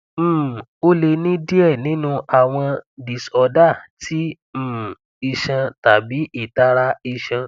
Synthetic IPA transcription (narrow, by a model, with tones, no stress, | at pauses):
m̩˦˨o˦le˧nĩ˦di˦ɛ˦˨nĩ˨˦nũ˧ʔa˨w̃ɔ̃˧di˨sɔ˧da˦˨tʰi˦˨ | i˧ʃã˧ta˨bi˨˦ʔi˦˨ta˦ɾa˧i˧ʃã˧